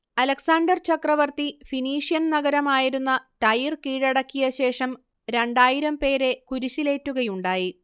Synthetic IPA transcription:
ɐlɐksaːɳɖɐrt͡ɕɐkrɐʋɐrt̪ifiniːʂijɐnnɐɣɐɾɐmaːjiɾunːɐʈɐjirkiːɻɐɽɐkːijɐɕe̞ːʂɐm | ɾe̞ɳɖaːjiɾɐmpe̞ːɾe̞kuɾuɕile̞ːtːuɣɐjuɳɖaːji

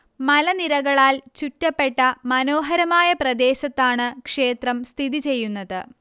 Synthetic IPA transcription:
mɐlɐniɾɐɣɐɭaːlt͡ɕutːɐpːe̞ʈːɐmɐno̞ːɦɐɾɐmaːjɐprɐd̪e̞ːɕɐt̪ːaːɳɨkʂe̞ːt̪rɐmst̪ʰiðit͡ɕe̞jːunːɐðɨ

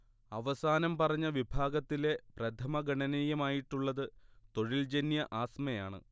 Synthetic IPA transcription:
ɐʋɐsaːnɐmpɐrɐɲːɐʋibʱaːɡɐt̪ːile̞prɐt̪ʰɐmɐɡɐɳɐnijɐmaːjiʈːuɭːɐðɨt̪o̞ɻild͡ʑenjɐʔaːsmɐjaːɳɨ̰

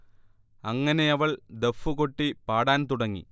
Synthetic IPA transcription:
ɐŋːɐne̞ɐʋɐɭd̪efːuko̞ʈːipaːɽaːnt̪uɽɐŋːḭ

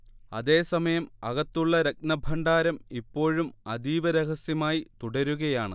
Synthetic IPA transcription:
ɐ̰ðe̞ːsɐmɐjɐmɐɣɐt̪ːuɭːɐɾek̚nɐbʱɐɳɖaːɾɐmipːo̞ːɻumɐd̪iːʋɐɾeɦɐsjɐmaːjit̪uɽɐɾuɣɐjaːɳɨ

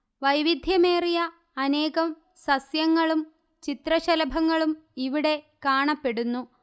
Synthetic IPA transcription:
ʋɐjʋid̪ʱjɐmeːrijɐː | ne̞ːɣɐm | sɐsjɐŋːɐɭum | t͡ɕit̪rɐɕɐlɐbʱɐŋːɐɭumiʋiɽe̞ | kaːɳɐpːe̞ɽunːu

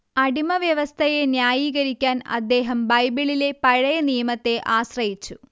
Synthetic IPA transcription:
ɐɽimɐʋjɐʋɐst̪ʰɐje̞njaːjiːɣɐɾikʲːaːnɐ̰d̪ːe̞ːɦɐmbɐjbiɭile̞pɐɻɐjɐnijɐmɐt̪ːe̞ʔaːɕrɐjit͡ɕːu

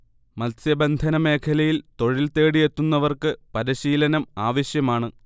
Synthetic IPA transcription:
mɐlsjɐbɐnd̪ʱɐnɐme̞ːkʰɐlɐjilt̪o̞ɻilt̪e̞ːɽijet̪ːunːɐʋɐrkɨpɐɾiɕiːlɐnɐmaːʋɐɕjɐmaːɳɨ

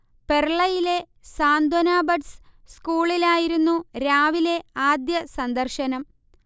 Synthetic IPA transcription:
perɭɐjile̞ | saːnd̪wɐnaːbɐɖsskuːɭilaːjiɾunːuɾaːʋile̞aːd̪jɐsɐnd̪ɐrʃɐnɐm

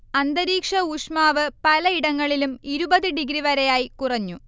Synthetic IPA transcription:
ɐnd̪ɐɾiːkʂɐuʂmaːʋɨpɐlɐiɽɐŋːɐɭilumiɾubɐðɨɖiɡɾiʋɐɾejaːjikurɐɲːu

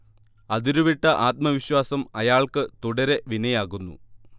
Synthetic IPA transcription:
ɐðiɾuʋiʈːɐʔaːt̪̚mɐʋiɕwaːsɐmɐjaːɭkɨt̪uɽɐɾe̞ʋinɐjaːɣunːṵ

